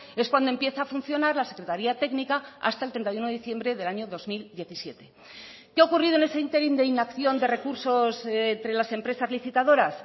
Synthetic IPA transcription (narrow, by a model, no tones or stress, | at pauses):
e̞skwand̪oempje̞θaːfunθjo̞naɾlase̞kɾe̞t̪aɾiat̪e̞ɡnikaa̰st̪aelt̪ɾent̪ajunoiθje̞mbɾe̞ðe̞laɲoðo̞zmild̪je̞θisje̞t̪e̞ | keaokuriðone̞seint̪e̞ɾind̪e̞inakθjo̞nd̪e̞re̞kuɾso̞snt̪ɾe̞lase̞mpɾe̞sazliθit̪aðo̞ɾas